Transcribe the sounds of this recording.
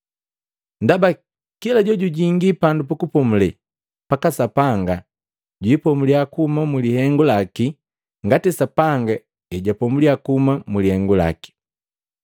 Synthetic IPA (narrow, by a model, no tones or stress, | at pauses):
ndaba | kilaɟɔɟuɟiŋɡipandupukupɔmulɛ | pakasapaŋɡa | ɟwipɔmuliakuumamulihɛŋɡulaki | ŋɡatɛsapaŋɡa | ɛɟapɔmuliakuumamulihɛŋɡula̰ki̥